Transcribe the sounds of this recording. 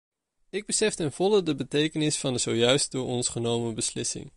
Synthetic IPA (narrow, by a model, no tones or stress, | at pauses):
ɪɡ̚bəsɛftɛnv̥ɔlˠədəbətejkənɪsfɑndəzowjœɥst̚dʊːɹɔnsχənowməbəslɪsɪ̰ŋ